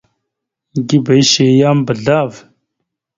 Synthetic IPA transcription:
ɡi˦bɐ˨jʃe˨jaː˦mbə˨ɮaː˦v

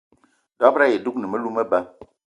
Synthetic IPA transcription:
dɔ˦pɾa˦je˨du˦k̚nɨ˨mə˦lu˦mə˦ba˦

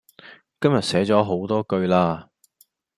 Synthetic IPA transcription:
kɐ˥mjɐ˨t̚sɛː˨˥t͡sɔː˨˥ɦo˨˥wt̪ɔː˥kɵ˧ɥlaː˧

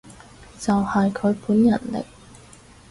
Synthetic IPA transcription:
t͡sɐ˨whɐ˨jkʰɵ˨˧ɥpuː˨˥njɐ˨˩nlɪ̰˨k̚

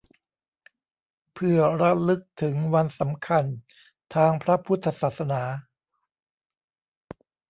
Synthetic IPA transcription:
pʰɯ˧˩ɐɾa˦˥lɯ˦˥k̚t̪ʰɯ˩˦ŋwa˧nsa˩˦mkʰa˧n | t̪ʰaː˧ŋpʰɾa˦˥pʰu˦˥t̪ʰːa˧saː˨˩t̪̚sa˧naː˩˦

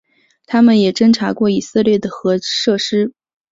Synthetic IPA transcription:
t̪ʰa˥mə˨njɛ˨˩ʈ͡ʂə˥nʈ͡ʂʰa˧˥kwɔ˥˩i˨˩sɤ˥˧ljɛ˥˩d̪ə˩xɤ˧˥ʂɤ˥˩ʂɻ̩˥

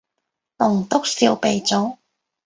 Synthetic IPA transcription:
nʊ˨˩ŋt̪ʊ˥k̚si˧wpe˨˧jt͡so˨˥w

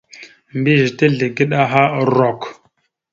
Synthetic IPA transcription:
mbi˦ʒtə˦ɮə˨ɡi˦ɗa˦ɦa˦˨ɾo˨k

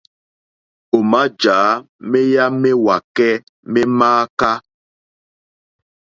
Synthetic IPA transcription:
o˨ma˦d͡ʒaː˨˦me˦ja˦me˦wa˨kɛ˦ | mɛ˦maː˦ka˦

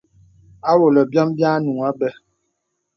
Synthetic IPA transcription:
a˦wo˨lə˨bjɔ˦mbja˦nu˨a˦bɛ˦

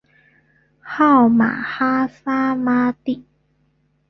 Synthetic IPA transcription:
ha˥˩wma̰ː˨˩˦haː˦˥saː˦˥maː˦˥t̪i˦ʔ

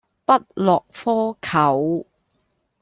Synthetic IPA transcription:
pɐ˥t̚lɔː˨k̚fɔː˥kʰɐ˨˩w

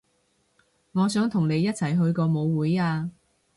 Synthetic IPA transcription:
ŋɔː˨˧sœː˨˥ŋt̪ʰʊ˨˩ŋne˨˧jːɐ˥t̚t͡sʰɐ˨˩jɦɵ˧ɥkɔː˧mo˨˧wwuː˨˥jaː˧

